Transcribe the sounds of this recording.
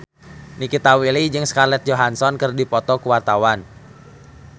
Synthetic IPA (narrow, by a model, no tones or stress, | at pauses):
nikit̪awilid͡ʒɨŋskarlɛt̪̚d͡ʒoɦansɔnkɨrdipɔt̪ɔkuwart̪awan